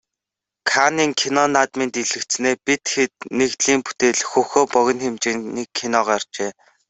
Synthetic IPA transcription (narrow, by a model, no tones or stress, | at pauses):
kʰaniːŋkʰinɔnat̪ment̪iɮɘ̆kt͡st͡sneːpit̪xet̪̚neɣt̪ɮiːmpu̥t̪eːɮxɵxoːpɔɣʲɞ̆nxemt͡ɕĕniːkʰːinɔʁaːr̥t͡ɕeː